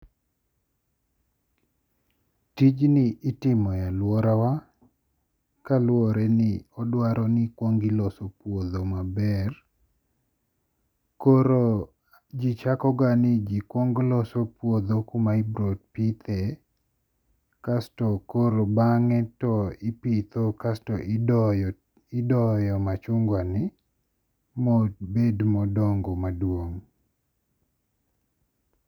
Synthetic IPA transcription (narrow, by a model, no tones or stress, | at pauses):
tid͡ʒnɪʔːtɪmɔjalwɔɾawa | kalwɔɾɛnɪɔdwaɾɔnikwoŋɡilɔsopwoðomabɛr | koɾo | d͡ʒit͡ʃakɔɡanid͡ʒikwoŋɡlɔsopwod̪okumaibɾot̚pit̪ʰɛ | kastɔkoɾobaŋɛtɔɪpit̪okastɔʔ | ɪdɔjɔmat͡ʃʊŋɡwanɪ | mot̚bedmɔdɔŋɡomadwoŋ